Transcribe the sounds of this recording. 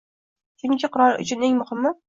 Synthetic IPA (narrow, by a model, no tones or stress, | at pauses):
t͡ʃʰʊŋkʲɪqʊɾɒɾʊ̰t͡ʃʰʊneŋmʊhɪmːʊ